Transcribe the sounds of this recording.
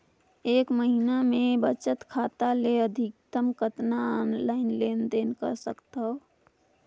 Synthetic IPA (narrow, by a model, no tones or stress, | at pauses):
eːkməɦinamẽbət͡ʃət̪kʰaːt̪aleəd̪ʱikt̪əmkət̪nanlaːɪnleːnd̪enkə̰ɾsəkt̪ɦo